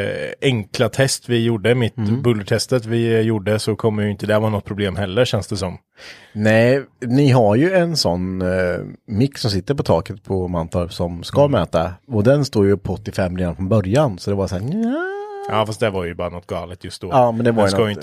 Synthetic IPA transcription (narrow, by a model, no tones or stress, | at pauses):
ɛŋklat̪ʰɛst̪vɪjuɖəmɪt̪bɵlːəʈʰɛst̪ət̪vɪjuːɖəsɔkʰɔmːəɾjʏɪnt̪əd̪ɛhæɾvaːnɔt̪̚ːpʰɾʊbleːmɦɛlːəɾʂɛnsd̪ɛsɔm | nɛɪnɪɦaɾjɵɛnsɔnː | mɪkːsɔms̬ɪt̪ːəɾpɔt̪ʰɑːkət̪pʰɔmant̪ʰɔɾsɔmskamɛːt̪aɔd̪ɛnst̪uːɾjpʰːɔɔt̪ːɪfɛmːɾeːd̪anfɾɔnbœɾjansɔd̪ɛvaɾsæːɾaʔɑːfast̪d̪ævaɾjɵbɑːɾanɔt̪ːɡɑːlət̪jɵst̪̚d̪oːɑːmɛnd̪ɛvaɾj̪a